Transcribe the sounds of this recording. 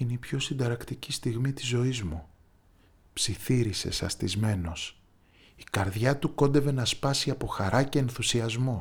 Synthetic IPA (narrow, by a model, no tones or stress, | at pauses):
ineipço̞sind̪ɐɾɐkt̪icist̪iɣmit̪izo̞izmu | psiθiɾise̞̰sɐ̰st̪izme̞no̞s | ikɐɾðʝɐt̪uko̞nd̪e̞ve̞nɐspɐsiɐpo̞xɐɾɐce̞ːnθusiɐzmo̞